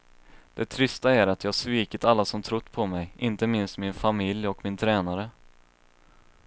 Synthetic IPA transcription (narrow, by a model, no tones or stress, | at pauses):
d̪̥ɛt̪ʰɾʏst̪aæɾat̪jɑːsviːkət̪alːasɔmt̪ʰɾʊt̪ːpʰɔmɛjʔɪnt̪əmɪnst̪mɪnfamɪljɔkmɪnt̪ʰɾɛːnaɾə